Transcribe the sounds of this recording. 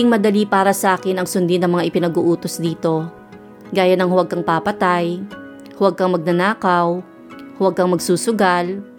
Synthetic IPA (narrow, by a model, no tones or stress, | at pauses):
ɪŋmɐd̪ɐlipaːɾɐsɐʔaːkɪnɐŋsʊnd̪ɪnɐŋmɐŋaʔɪpɪnɐɡuʔuːt̪osd̪iːt̪o̞ | ɡaːjɐnɐŋhʊwɐɡ̚kɐŋpapɐt̪aj | hʊwɐɡ̚kɐŋmɐɡ̚nɐnaːkɐw | hʊwɐɡ̚kɐŋmɐɡsuːsʊɡal